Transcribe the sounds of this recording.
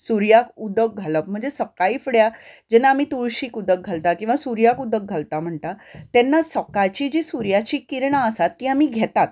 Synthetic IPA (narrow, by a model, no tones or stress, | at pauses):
suɾjakud̪ək̚ɡʱaləp̚m̤əɳd͡zesəkaiːfɽjad͡ʑɛnaːmit̪uɭɕiːkud̪ək̚ɡʱalt̪akĩw̃ʋasuɾjakud̪ək̚ɡʱalt̪am̤əɳt̪at̪ɛnːasəkajt͡ɕiːd͡ʑiːsuɾjat͡ɕiːkiɾɳaəsat̪ːiːamiɡʱɛt̪at̪